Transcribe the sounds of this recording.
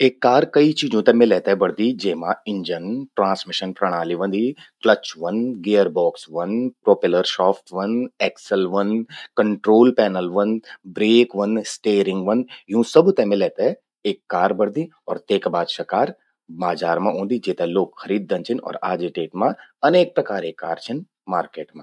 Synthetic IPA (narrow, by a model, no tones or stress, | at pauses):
eːkːaːɾkɐit͡ʃiːd͡ʒõt̪ɛmẽlɛːt̪ɦɛbɐɽd̪id͡ʒeːɦmãɪ̃ɲd͡ʒənʈɾãːnsmɪʃənpɾɐɽ̃aːliʋə̃nd̪iklət͡ʃʋɐnɡeːjəɾbɔːksʋɐnpɾɔːpɪləɾʃɔːfʈʰʋɐnɛːksəlʋɐnkəɳʈɾoːlpɛːnəlʋɐnbɾeːkʋɐnsʈeːɾɪ̃ŋɡʋɐnjũːsɐbt̪ɛ̃mẽlɛːt̪e | eːkːaːɾbɐɽd̪ĩ | ɔːɾt̪eːkbaːd̪ʃakaːɾ | baːd͡ʒaːɾmãʔõːnd̪id͡ʒeːt̪ẽloːɡxɐɾiːd̪̚ːɐ̃nt͡ʃʰinɔ̰ːɾaːd͡ʒeʈeːʈmãɐneːk̚pɾɐkaːɾekaːɾt͡ʃʰɐn | maːɾkeːʈmãː